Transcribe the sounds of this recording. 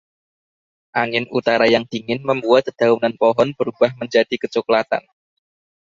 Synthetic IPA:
ʔaŋɪnut̪aɾajaŋd̪̥i̤ŋɪnməmbuat̪̚d̪̥a̤unanpɔɦɔnb̥əɾub̥ahməɲd͡ʒad̥ikət͡ʃɔklat̪a̰n

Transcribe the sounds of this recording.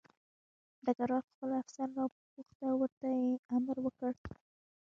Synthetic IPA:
d̪aɡaɾwɑɾxpəlafsɑnɾɑp | uxt̪awəɾt̪ajeaməɾwəkəɽ

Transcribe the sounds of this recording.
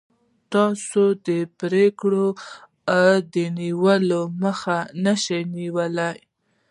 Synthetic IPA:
t̪ɑsod̪əpɾekɽo | ad̪əniwəloməxanəʃajniwəlaj

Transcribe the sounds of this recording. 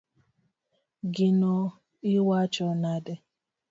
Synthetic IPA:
ɡinɔ | iwat͡ʃɔnadɛ

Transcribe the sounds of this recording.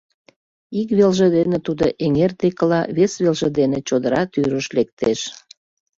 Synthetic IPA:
ikβelʒed̪enet̪ud̪oʔeŋert̪ekəlɑβesβelʒed̪enet͡ɕod̪əɾɑt̪yɾəʃlek̚t̪eʃ

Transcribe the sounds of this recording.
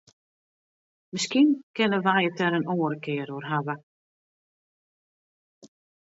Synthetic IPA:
mɪskinkɪnəʋajətɛɾənoːəɾəkɪəɾoərɦaʋə

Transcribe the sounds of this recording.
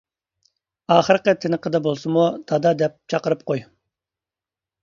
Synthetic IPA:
ɑːχəɾqət̪ʰɪnəqəd̪ɛbolˠsɨmut̪ʰɑd̪ɑd̪ɛp̚t͡ʃʰɑqəɾɨp̚qoj

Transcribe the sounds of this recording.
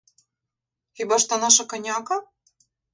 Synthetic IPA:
ibɑʃt̪ɑnɑʃɤ̆kɤ̆nʲɑkɑ

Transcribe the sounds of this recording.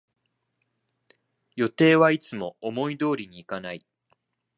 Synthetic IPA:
jo̞t̪e̞ːβait͡sɨmo̞omo̞id̪o̞ːɾʲiɲ̟iːkanai

